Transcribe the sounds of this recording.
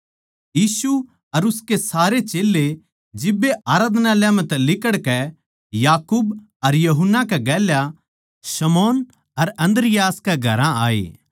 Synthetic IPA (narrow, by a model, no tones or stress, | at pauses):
jiːsu | ɐɾʊskesaːɾet͡ʃeːlːe | d͡ʒɪbːeʔaːɾaːd̪naljãmɛ̃t̪ɛlɪkəɽkɛ | jaːkuːb | ɐɾjɐɦʊnːakɛɡɛːlja | sɐmoːn | ɐɾɐ̃nd̪ɾɪjaːskeɡʱɐɾãaːḛː